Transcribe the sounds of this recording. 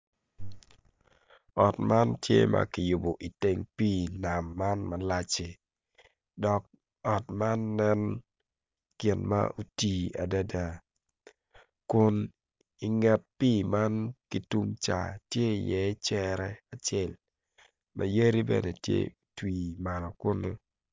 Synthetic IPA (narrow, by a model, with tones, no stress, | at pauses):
ɔ˨tma˦ntjḛ˦ma̰˨kɪ˨jʊ˨bo˨ʔi˨te˦ŋpiː˦˨na˨mːa˦nma˨la˦t͡ʃe˨ | dɔ˨k̚ | ɔ˨tma˦nːɛ˦n | kɪ˨nma̰˦ʔu˦ti˦a˨da˦da˦ | kʊ˨n | ɪ˨ŋɛ˨t̚pi˦ma˦nki˨tu˦mt͡ʃa̰˨tje˦i˨jɛ˨˦t͡ʃɛ˦ɾɛ˦a˨t͡ʃɛ˦l | mʔa̰˨je˦ɾi˦bɛ̰˨nɛ˨tjḛ˦ | twi˨ma˨lɔ˨kʊ˦nʊ˦